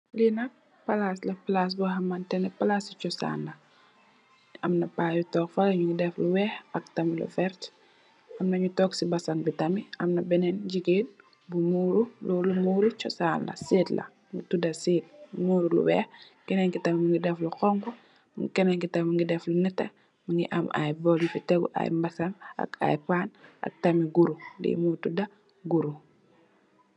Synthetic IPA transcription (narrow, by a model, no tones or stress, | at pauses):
linɐ | pɐlaslɐplas̬buɦɐmɐntɛnɛpɐlasit͡ʃɔsa̰ːnlɐ | ɐmnɐpaːjutɔːkfɐlɐɲuŋɡidɛfluwɛːhɐk̚tɐmilɔ̰fɛɾt | ʔɐmnɐɲutɔːksibɐsɐnbitɐmiɐmnɐbɛnɛnɟiɡeːn | bumuːɾulɔːlumuːɾut͡ʃɔsaːnlɐ̰seːtlɐ̰ | mutudɐseːt̚muːɾulṵbɛ̰ | kɛnɛŋkitɐmimuŋɡidɛfluqɔŋku | ŋkɛnɛŋkitammuŋɡidɛflunɛtːɛ | muŋɡḭʔa̰ma̰jbɔljufɛtɛɡṵʔa̰jmbɐsanɐ̰ka̰jpaːnʔɐ̰k̚tɐmiɡuɾulḭmutudɐ | ɡuɾu